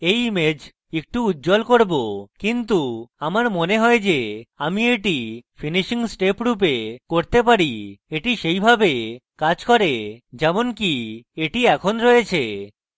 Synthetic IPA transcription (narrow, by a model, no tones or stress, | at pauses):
ejmed͡ʑ | ek̚ʈuut̪̚ːd͡ʑolkoɾbokint̪uamaɾmoneɦɔed͡ʑeamieʈifʰiniʃiŋsʈepɾup̬ekoɾt̪epaɾieʈiʃejbʱabekad͡ʑkoɾed͡ʑɛmonkieʈiɛkʰonɾoet͡ɕʰe